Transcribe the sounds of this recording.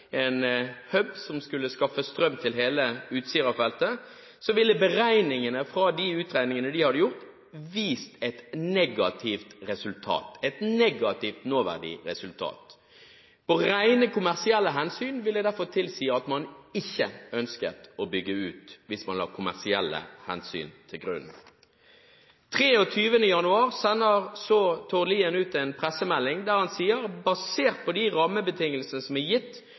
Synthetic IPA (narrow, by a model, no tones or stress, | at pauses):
eːnhœbsɔmskʉlːəskɑfəst̪ɾœmːt̪ʰɪlɦeːləʉːt̪siːɾɑfɛlt̪ə | sɔʋɪlːəbəʁæɪnɪŋənəfʁɑd̪ɪʉːt̪ʁæɪnɪŋənəd̪ɪhɑd̪əjʊʁt̪ | ʋiːst̪ɛt̪nɛɡɑt̪ʰɪft̪ʁɛsʉlt̪ʰɑ̰ːt̪ɛt̪nɛɡɑt̪ɪft̪noːʋæ̰ʁɖɪ̰ɾɛsʉlt̪ʰɑ̰ːt̪ | pʰoʁæɪnəkʊmæʁsɪɛlːəɦɛnsyːnʋɪlæɪd̪æʁfɔʁt̪ʰɪlsiːɑɑt̪mɑnɪçːəœnskə̰t̪obʏɡːəʉːt̪ʋɪsmɑ̰nlɑ̰ːkʰʊmæʁsɪɛlːə̰hɛ̰nsy̰ːnt̪ʰɪlɡɾʉ̰n | t̪ʰʁeːɔt̪ʰyːʋənəjɑnʉɑːʁsɛnːəʁsɔt̪ʰoːliːənʉːt̪ɛɪnpʰʁɛsəmɛlːɪŋd̪æːʁhɑnsiːəʁbɑseːʁt̪̚pʰɔd̪æʁɑməbət̪ʰɪŋːəlsənəsɔmæjɪt̪ː